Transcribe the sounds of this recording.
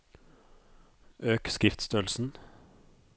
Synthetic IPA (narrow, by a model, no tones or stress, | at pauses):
ʔøːkskɪft̪st̪œːlsn̩